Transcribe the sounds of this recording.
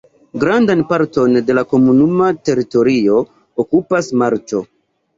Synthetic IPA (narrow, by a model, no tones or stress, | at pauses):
ɡɾandanpaɾto̞nde̞lako̞munumate̞ɾito̞ɾio̞ | okupasmaɾt͡ʃo̞